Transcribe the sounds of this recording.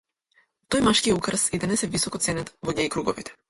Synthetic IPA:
t̪ɔjmaʃkiɛukɾəsid̪anɛsɛvisɔkɔt̪sɛnɛt̪vɔɲaikɾuɡɔvit̪ɛ̥

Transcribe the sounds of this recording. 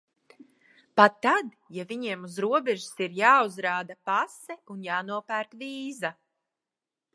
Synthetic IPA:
pat̪ːad̪ | javiɲiɛmuzɾuɔbɛʒi̥siɾjaːuzɾaːd̪apasɛunjaːnuɔpæːɾt̪viːza

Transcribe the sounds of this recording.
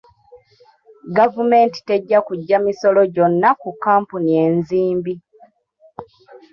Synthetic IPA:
ɡavume̞ːnti̥te̞ɟːakuɟːamiso̞lo̞ɟo̞nːakukːaːmpunie̞ːnziːmbi

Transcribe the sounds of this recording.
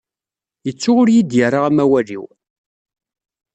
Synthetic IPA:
jət͡sːʊʁʊɾjid̪jəɾˤaʁæmæwælḭw

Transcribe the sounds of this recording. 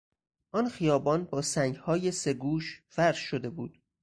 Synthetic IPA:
ʔɒnxijɒːbɒːnbɒːsæŋɟhɒːjese̞ɡuːʃfæɾʃod̪e̞buːd̪̥

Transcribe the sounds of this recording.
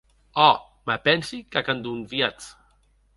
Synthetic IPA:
ɔ | mapɛnsikakand̪unvjat͡s

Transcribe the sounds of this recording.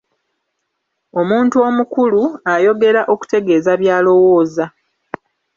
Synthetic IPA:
o̞muːntuo̞mukuluajo̞ɡe̞ɾaʔo̞ku̥te̞ɡe̞ːzaβjaːlo̞wo̞ːza

